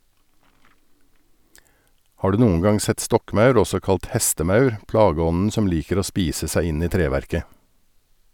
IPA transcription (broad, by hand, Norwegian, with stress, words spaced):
ˈhɑː ˈɖʉː ˈnuːən ˈɡɑŋ ˈsɛt ˈstɔkˌmɑʉɾ ˈɔsɔ ˈkɑlt ˈhɛstəˌmɑʉɾ ˈplɑːˌɡɔnn̩ ˈsɔm ˈliːkəɾ ˈoː ˈspiːsə ˈsæɪ ˈɪn ˈiː ˈtɾeːʋæɾkə